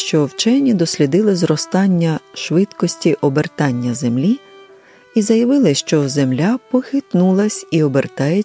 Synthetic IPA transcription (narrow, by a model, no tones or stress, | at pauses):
ʃt͡ʃɔwt͡ʃɛnʲid̪ɔsʲlʲid̪ɪlˠɪzrɔst̪ɑnʲːɐʃʋɪt̪kɔsʲtʲiʔɔbert̪ɑnʲːɐze̞mlʲi | izɐjɐʋɪlˠɪʃt͡ʃɔze̞mlʲapɔxɪt̪nulˠɐsʲiɔbert̪ɑjɛ